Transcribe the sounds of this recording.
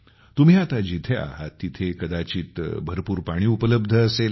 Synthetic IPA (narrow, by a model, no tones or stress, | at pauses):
t̪um̤iat̪ad͡ʑit̪ʰea̰ɦat̪ːit̪ʰekəd̪at͡ɕiːt̪bʱəɾpuːɾpaɽ̃iːupələb̚d̪ʱəəsel